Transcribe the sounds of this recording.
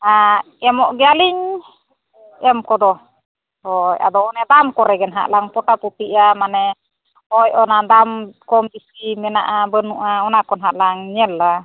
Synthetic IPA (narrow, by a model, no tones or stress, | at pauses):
a | ɛmɔʔɡialiŋ | ɛmkɔdɔ | ɔja̰dɔːnɛdamkɔɾɛɡɛnɦa̰ʔlaŋpɔʈaput̪iʔamanɛ | ɔjɔnadamkɔmdisimɛnaʔabənuʔaɔnakɔnɦaʔlaŋɲɛla